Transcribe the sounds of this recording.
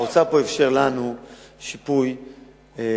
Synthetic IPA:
ot͡sapo̞efʃeʁlanuʃipuj | e

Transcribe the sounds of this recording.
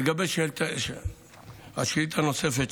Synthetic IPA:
ɡabeʃt̪ʃ | a̰ʃelit̪hano̞sefet̪

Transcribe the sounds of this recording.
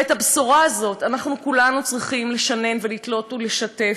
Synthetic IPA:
ethabsuʁaːzo̞tanaχnukulanut͡sʁiχimle̞ʃane̞nve̞litlo̞tule̞ʃate̞

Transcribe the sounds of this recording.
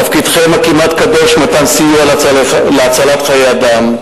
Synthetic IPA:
afkid̪χemakimat̪kabeʃmat̪ansijualalleat͡salat̪χajead̪am

